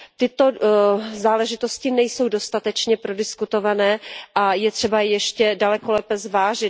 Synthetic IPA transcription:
t̪ɪt̪o̞zaːlɛʒɪt̪o̞scɪnɛjso̞wdo̞st̪at̪ɛt͡ʃɲɛpɾo̞dɪskut̪o̞vanɛːʔajɛt̪r̝̥ɛbajɛʃcɛdalɛko̞lɛpɛzvaːʒɪ

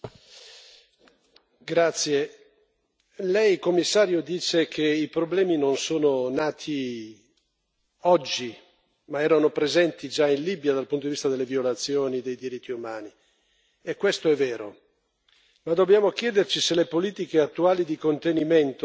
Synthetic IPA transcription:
ɡɾat̪sːje | lɛjkomːisːaːɾjod̪iːt͡ʃekʰeipɾoblɛːminonsoːnonaːt̪ʰi | ɔd͡ʒːi | maɛːɾanopɾezɛnt̪id͡ʒainlibjad̪alpunt̪od̪ivist̪ad̪elːevjolat̪sːjoːnid̪ejd̪iɾit̪ʰːiumaːni | ekːwest̪oɛvːɛːɾo | mad̪ːobjaːmok̟jɛːd̪ert͡ʃiselepoliːt̪ikeat̪ːuaːlid̪ikont̪enimɛnt̪o

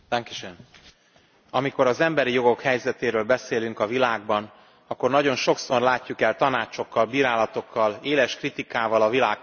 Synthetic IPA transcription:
t̪ɛŋkiʃøn | ɒmiko̞ɾɒzɛmbɛɾijo̞ɡo̞khɛjzɛt̪eːɾøːlbɛseːlyŋkɒvilaːɡ̚bɒn | ɒkːo̞rnɒɟo̞nʃo̞kso̞rlaːcːukɛlt̪ɒnaːt͡ʃo̞kːɒlbiːɾaːlɒt̪o̞kːɒleːlɛʃkrit̪ikaːvɒlɒvilaː

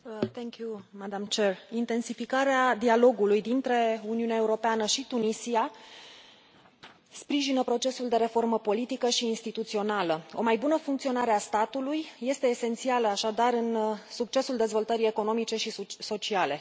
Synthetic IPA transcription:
t̪ʰɛŋkjumad̪amt͡ʃe̞rint̪e̞nsifikaɾead̪ialo̞ɡulujd̪int̪ɾe̞uniuneaeuɾo̞peanəʃit̪unisia | spɾiʒinəpɾo̞t͡ʃe̞suld̪e̞ɾe̞fo̞rməpo̞lit̪ikəʃiːnst̪it̪ut̪sio̞naləo̞̰majbunəfuŋkt̪sio̞naɾeast̪at̪ulujːe̞st̪e̞ːse̞nt̪sialəaʃad̪aɾɨnsuk̚t͡ʃe̞suld̪e̞zvo̞lt̪əɾie̞ko̞no̞mit͡ʃe̞ʃiso̞t͡ʃiale̞

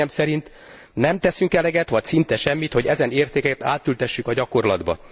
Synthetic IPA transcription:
ɛmsɛɾint̪ | nɛmt̪ɛsyŋkɛlɛɡɛt̪ʋɒcsint̪ɛʃɛmːit̪ho̞ɟɛzɛneːrt̪eːkɛkɛt̪a̰ːt̪ːylt̪ɛʃːykɒɟɒko̞rlɒd̪bɒ̰

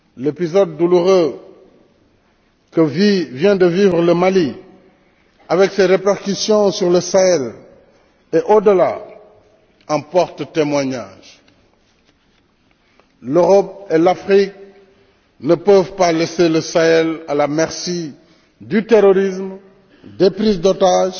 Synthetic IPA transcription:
lepizɔd̪̚ːuluʁø | kəvivjɛ̃d̪əvivʁələmali | avɛkseʁepaʁkysjɔ̃syʁləsaɛl | eʔod̪əla | ɑ̃pɔʁt̪t̪emwaɲaʒ̥ | løʁɔp̚elafχik̚ | nəpəvpaleseləsaɛlalamɛʁsi | d̪yt̪eʁɔʁism | d̪epʁizd̪ɔt̪aʒ

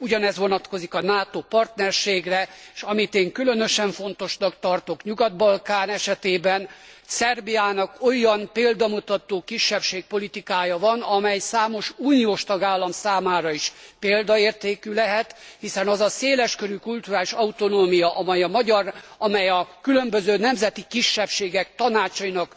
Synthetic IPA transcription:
uɟɒnɛzʋo̞nɒt̪ko̞zikɒnaːt̪opɒrt̪nɛrʃeːɡrɛeʃɒmit̪eːŋkylø̞nøʃɛɱfo̞nt̪o̞ʃnɒkt̪ɒrt̪o̞kɲuɡɒd̪̚bɒlkaːnɛʃɛt̪eːbɛnsɛrbijaːnɒko̞jɒnpeːld̪ɒmut̪ɒt̪oːkiʃːɛpʃeːk̚po̞lit̪ikaːjɒvɒnɒmɛjsaːmo̞ʃuːnioːʃt̪ɒɡaːlːɒmsaːmaːɾɒiʃpeːld̪ɒeːrt̪eːkylɛɦɛt̪hisɛnɒzɒseːlɛʃkøɾykult̪uɾaːliʃɒut̪o̞noːmijɒʔɒmɛjɒmɒɟɒrɒmɛjɒkylø̞mbøzøːnɛmzɛt̪ikiʃːɛpʃeːɡɛk̚t̪ɒnaːt͡ʃɒinɒk

